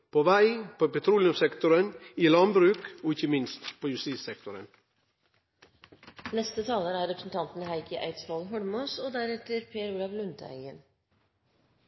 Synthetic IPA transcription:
pʰoːʋæɪpʰoːpɛt̪ʰɾuːlɪʉmsɛkt̪ʊɾəniːlɑnbɾʉːkoːɪçəmɪnst̪pʰoːjʉst̪ɪsɛk̚t̪ʊɾə̰n | nɛst̪ət̪ʰɑːləɾæːɾɛpɾə̥sn̩t̪ɑnt̪nhæɪkəʔæ̰ɪt̪sʋɑlɦɔɽmoːsoːd̪æɾɛt̪əɾpʰeːɾʉːlɑʋlʉnt̪əæ̰ɪən

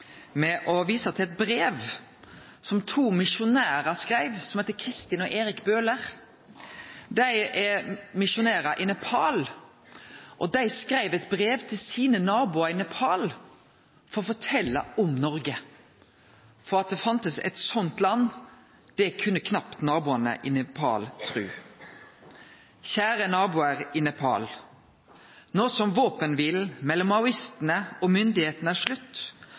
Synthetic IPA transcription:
mɛʔɔʋiːsɑt̪ʰɪlɛt̪̚bɾeːʋ | sɔmt̪ʰuːmɪʃʊnæːʁɑskʁæɪʋsɔmheːt̪əkʰʁɪst̪ɪnɔʔeːɾɪkbøːləʁ | d̪æɪɛmɪʃʊnæːʁɑʔɪnɛpʰɑːl | ʔɔd̪æɪskɾæɪʋɛt̪bʁeːʋt̪ʰɪlsiːnənɑːbʊɑɪnɛpʰɑːl | fɔʁɔfɔʈʰɛlːɑ̰ɔmnɔʁɡə | fɔʁɑt̪̚d̪ɛːfɑnt̪əsɛ̰t̪sɔnt̪lɑnː | d̪̥ɛkʰʉnːəkʰnɑpt̪nɑːbuːɑnə̰ʔɪnɛpʰɑ̰ːlt̪ʰʁʉ̰ː | çæːʁənɑːbuːəʁɪnɛpʰɑ̰ːl | noːsɔmʋoːpənʋɪːlmɛlːɔmːɑʊɪst̪ənəɔmʏnd̪ɪheːt̪nəæʂlʉt̪ː

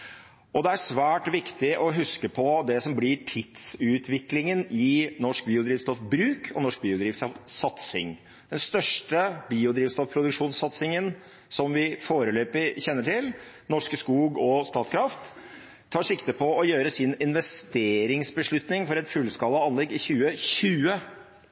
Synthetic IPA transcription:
ʔɔd̪ɛæʂʋæːʈʋɪkt̪ɪʔɔɦʉskəpʰɔd̪ɛsɔmblɪʈʰɪt̪sʉːt̪ʰʋɪklɪŋənɪnɔʂk̚biːʊd̪ɾiːʋst̪ɔfbɾʉːkʰɔ̰nɔʂk̚biːʊd̪ɾiːʋsɔfsɑt̪sɪ̰ŋ | d̪̥ɛnst̪œʂʈəbiːʊd̪ɾiːʋst̪ɔfpʰɾʊd̪ʉkʂuːnsːɑt̪sɪŋən | sɔmʋɪfoːɾəløːpɪçɛnːəʈʰɪl | nɔʂkəskuːɡɔst̪ɑːt̪skʰɾɑft̪ʰː | ɑːʂɪkt̪əpʰɔɔjøːɾəsɪnɪnʋɛst̪eːɾɪŋsbəʂɭʉt̪nɪŋfɔɾɛt̪fʉlskɑlːəɑnlɛɡːɪçʉːəçʉːə

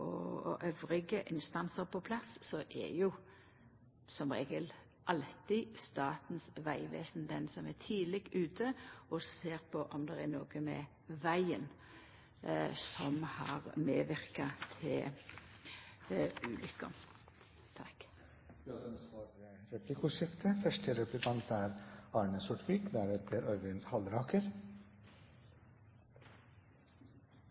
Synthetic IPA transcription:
ɔ̰ʔøʋɾɪɡəʔɪnst̪ɑnsəɾpʰɔpʰlɑsːɔʔæ̰jʊ | sɔmʁeːɡəl | ʔɑlt̪ɪst̪ɑːt̪n̩sʋæɪʋḛːsn̩d̪ɛnsɔmæt̪ʰiːlɪɡʉːt̪ʰəɔseːʁpʰɔʔɔmd̪ɛʁænoːɡ̥əmɛ̰ | ʋæɪən | sɔmhɑ̰ːʁmeːʋɪɾkɑt̪ʰɪl | ʉːlʔʏkːə̰ | t̪ʰɑk | d̪ɑd̪ɛnsʋɑːɾəɾɛplɪkʊʃɪft̪ʰəfœʂʈəɾɛplɪkʰɑnt̪æːɾɑːɳəsʊʈʋiːkd̪ææɾeːt̪ʰəɾœɾʋɪnhɑlɾɑːkəɾ

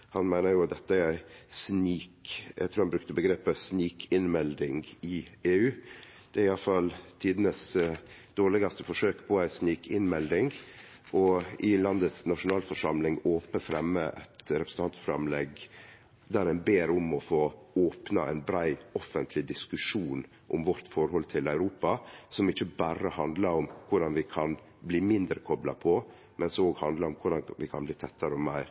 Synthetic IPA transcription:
hɑnmæɪnəɾjʊd̪ɛt̪ːəæɾæɪsniːkjæ̰ɡt̪ʰɾuːhɑnbɾʉk̚t̪əbəɡɾeːpəsniːkʰɪnmɛld̪ɪŋɡɪeːʉː | d̪̥ɛæɾɪjɑlfɑlt̪ʰiːd̪ənəsd̪̥oːɭɪɡɑst̪əfɔʂøːkpʰɔæɪsniːkʰɪnmɛld̪ɪŋ | ʔɔɪlɑnd̪ət̪snɑʂʊnɑːlfɔʂɑmlɪŋoːpəfɾɛmːəʔɛ̰t̪ɾɛpɾəsn̩ɑnt̪fɾɑ̰mlɛɡ | d̪æɾɛnbeːɾɔmɔfoːoːpnɑæ̰ɪnbɾæɪɔfənt̪ʰlɪd̪ɪskʉʂuːn | ʔɔmʋɔɾt̪fɔɾhɔlt̪ʰɪlæʉɾuːpɑsɔmɪçːəbæɾəhɑnd̪lɑɾɔmkʰʊɖɑnʋɪkʰɑn | bliːmɪnd̪ɾəkʰɔblɑpʰɔ | mɛnsoːɡhɑnd̪ləɾɔmkʰʊɖɑnʋɪkʰɑnbliːt̪ʰɛt̪ːəɾəɔmæɪɾ

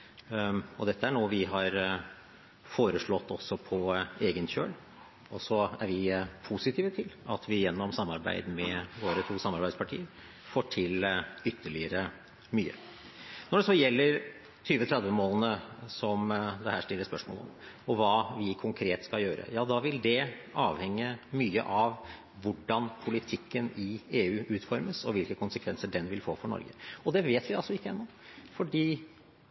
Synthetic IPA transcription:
ɔd̪ɛt̪ːəæɳoːʋɪɦɑɾ | foːɾəʂɭɔt̪ːɔsɔpʰɔeːɡənçø̰ːl | ɔsɔæɾʋɪpʰusɪt̪ʰiːʋət̪ʰɪlɑt̪ʰʋɪjɛnːɔmsɑmːɑɾbæ̰ɪd̪mɛʋoːɾət̪ʰuːsɑmːɑɾbæɪd̪spʰɑʈʰḭːəɾ | foːʈʰɪlʏt̪ʰːəɭɪəɾə | myːə̰ | nɔɖɛsɔjɛlːəɾ | t̪ʰyːʋət̪ʰɾɛd̪ʋəmoːlnəsɔmd̪ɛhæːʂʈɪlːəspœʂmo̰ːlɔ̰m | ɔʋɑːʋɪkʰʊŋkʰɾeːt̪skɑljøːɾə̰jɑːd̪ɑʋɪld̪ɛʔɑːʋhɛŋːəmyːə̰ʔɑʋ | ʋʊɖɑnpʰʊlɪt̪ʰɪkːənɪeːʉːʔʉːt̪fɔɾməsɔʋɪlkəkʰʊnsəkʰʋɛnsəɖɛnʋɪlfoːfɔɳɔ̰ɾɡəɔd̪ɛʋeːt̪ʋɪɑlsɔɪkːəɛnːɔ | fɔɖiː

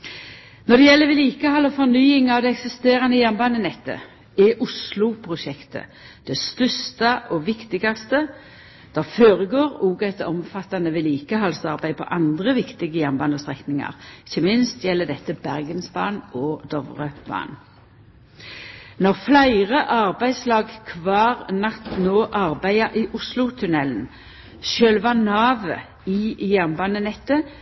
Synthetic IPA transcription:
nɔd̪ɛjɛlːəʋɪliːkəhɑlɔfɔʁnyːɪŋɑʋd̪ɛɛksɪst̪eːʁɑnəjænbɑnənɛt̪ːə̰ | ɛʔʊslʊpʰʁʊʃɛkt̪ə̰ | d̪̥ɛst̪œst̪ɑʔɔʋɪkt̪ɪɡɑst̪ə | d̪̥ɛføːʁəɡoːʁuːɡɛt̪ɔmfɑt̪ːɑnəʋɪliːkəɦɑlsɑʁbæɪpʰɔ̰ʔɑnd̪ʁəʋɪkt̪ɪɡəjænbɑnəst̪ʁɛknɪŋɑ̰ʁɪçəmɪnst̪jɛlːəd̪ɛt̪ːəbæʁɡənsbɑ̰ːnɔd̪̥ɔʋʁəb̥ɑ̰ːn | nɔʁflæɪʁəʔɑʁbæɪslɑːɡkʰʋɑːʁnɑt̪noːʔɑʁbæɪɑʔiʔʊslʊt̪ʰʉnɛln̩ | ʃølʋɑnɑːʋə | ijæʁnbɑːnənɛt̪ːə

